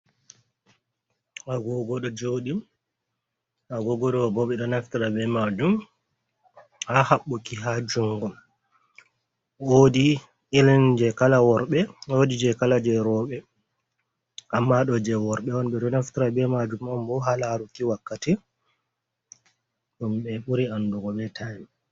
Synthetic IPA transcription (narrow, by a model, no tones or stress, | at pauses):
aɡɔɡɔɗɔd͡ʒoɗi | aɡɔɡɔɗɔbɔɓɛɗɔnaftiɾabɛmad͡ʒum | hahaɓːukiɦad͡ʒuŋɡɔm | wodi | elɛnd͡ʒɛkalawɔɾɓɛwodid͡ʒɛkalad͡ʒɛɾɔɓɛ | ʔamːaɗɔd͡ʒɛwɔɾɓɛwɔnɓɛɗɔnaftiɾabɛmad͡ʒumɔmbɔɦalaɾukiwakːati | ɗumɓɛɓuɾianduɡɔɓɛtʰai